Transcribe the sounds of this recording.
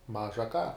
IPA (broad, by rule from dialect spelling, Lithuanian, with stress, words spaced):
ˈmɑːʒɐ kɑː